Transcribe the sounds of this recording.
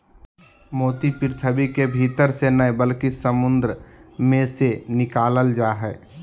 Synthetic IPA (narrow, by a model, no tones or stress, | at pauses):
moːt̪ipɪɾt̪ʰəbikebʱit̪əɾsenəbəlkisəmʊ̃nd̪ɾəmẽsenɪkaːləld͡ʒaːɦɛː